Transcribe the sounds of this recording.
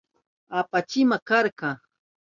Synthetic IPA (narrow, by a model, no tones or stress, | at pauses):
apat͡ʃɪmakaɾkɑ